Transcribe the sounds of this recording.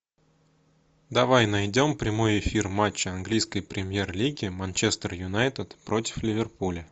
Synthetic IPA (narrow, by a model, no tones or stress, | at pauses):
d̪ɐvajnɐjdʲo̞mpɾʲɪmo̞jɪfʲirmat͡ɕːɪɐnɡlʲijskəjpɾʲɪmʲje̞rlʲiɡʲɪmɐnt͡ɕe̞st̪ərjʊnajt̪ət̪pɾo̞tʲɪ̥flʲɪvʲɪrpulʲə